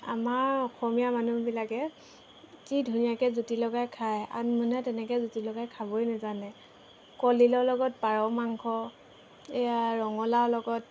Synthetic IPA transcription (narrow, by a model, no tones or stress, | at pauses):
a̰maɹɔxɔmijamanubilakɛ | kidʱunijakɛzutilɔɡajkʰaja̰nmunɛtɛnɛkɛzutilɔɡajkʰabɔjnɛzanɛ | kɔlilɔlɔɡɔt̚paɹɔmaŋkʰɔ | ejaɹɔŋɔlalɔɡɔt̚